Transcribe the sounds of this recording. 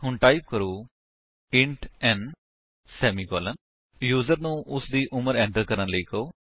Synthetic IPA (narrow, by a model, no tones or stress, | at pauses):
ɦʊɳʈaːip̚kəɾoː | ɪ̃ɳʈɛ̃ːɳ | sɛːmiːkɔːlən | juːzəɾnũːʔʊsd̪iːʔʊməɾɛ̃ːɳʈəɾkəɾənləiːkəoː